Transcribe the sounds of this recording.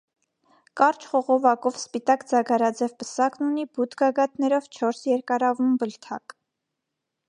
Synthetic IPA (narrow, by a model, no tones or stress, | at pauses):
kɑɾt͡ʃʰχɔʁɔvɑkɔvspit̪ɑkd͡zɑɡɑɾɑd͡zɛvpəsɑknunibut̪ʰɡɑɡɑt̪nɛɾɔvt͡ʃʰɔɾsjɛɾkɑɾɑvumbəlt̪ʰɑk